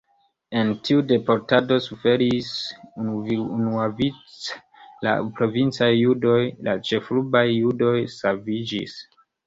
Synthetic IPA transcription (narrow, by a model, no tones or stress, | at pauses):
e̞ntʰiude̞po̞ɾtado̞sufe̞ɾis | unuavit͡s | la̰pɾo̞vint͡sajːudo̞jlat͡ʃe̞flubajːudo̞jsalvid͡ʒḭs